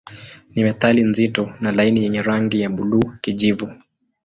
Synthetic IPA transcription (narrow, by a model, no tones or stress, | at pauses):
nimɛθalinzitɔnalainijɛɲɛɾaŋɡijaɓuluːkiʄivu